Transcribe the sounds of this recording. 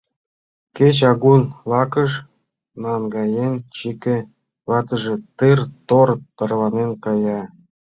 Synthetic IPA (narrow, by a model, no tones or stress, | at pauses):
ket͡ɕɑɣunlˠɑkə̆ʃ | nɑnɡɑjent͡ɕikʲĕ | βɑt̪ə̆ʒĕt̪ɨrt̪ort̪ɤ̆rβɑnenkɑjɑ